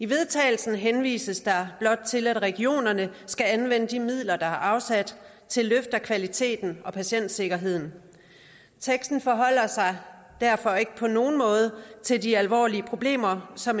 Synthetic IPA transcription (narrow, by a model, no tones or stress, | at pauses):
iʋe̝ð̞ˠt͡sʰɛ̰ːɪl̩sn̩ɦenʋḭːsəsd̥ɑ̈b̥lɒ̽d̥̚t͡sʰe̝læd̥ʁɛɡ̥io̝̰ːnɐnəsɡ̥æænʋenəd̥imið̞̰ˠlɐd̥ɑ̈æɐʔɑ̈ʊsæd̥ | t͡sʰe̝lːøfd̥ɐkʰʋælit͡sʰe̝̰ːd̥n̩ɒ̽pʰæɕen̰d̥se̝ɡ̥ɐɦe̝ð̰ˠn̩ | t͡sʰeɡ̥sd̥n̩fɒ̽ɦɒ̽l̰ɐsɑ̈ɪ | d̥æɐ̰fɒ̽e̝ɡ̥əpʰɒ̽no̝ːn̩mɔ̽ːð̞ˠət͡sʰe̝ldiælʋɒ̰ːliəpʰʁo̝b̥le̝̰ːmɐsɒ̽m